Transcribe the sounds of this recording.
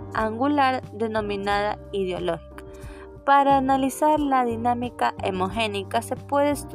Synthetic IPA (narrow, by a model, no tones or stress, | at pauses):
aŋɡulaɾd̪enominaða̰iðeo̰loxi̥kḁ | paɾaːnalisaɾlaðinamikaʔḛmoxenikasepweðest̪